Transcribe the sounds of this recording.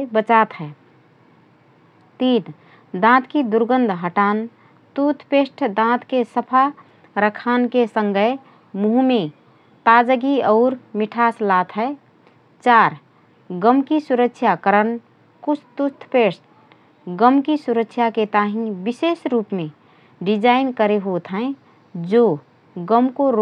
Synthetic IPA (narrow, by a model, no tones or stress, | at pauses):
bət͡ʃat̪ɦɛ | t̪id̪ | d̪ãt̪kid̪uɾɡənd̪ʱɦəʈaːn | t̪ut̪ʰpesʈʰd̪ãt̪kesəpʰa | ɾəkʰankesə̃ŋɡə | muɦume | t̪ad͡ʒəɡiɔʊɾmiʈʰaslat̪ʰɦɛ | t͡ʃaɾ | ɡəmkisuɾəkʃʰjakəɾən | kut͡ʃʰt̪ut̪ʰpesʈ̚ʰ | ɡəmkisuɾəkʃʰjaket̪aɦĩbisesɾuːpmẽ | ɖid͡ʒaɪnkəɾeɦot̪ɦɛ̃ | d͡ʒo | ɡəmkoɾ